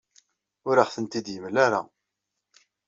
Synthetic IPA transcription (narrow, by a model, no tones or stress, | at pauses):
ʊɾəχθənt̪id̪jəmlaɾa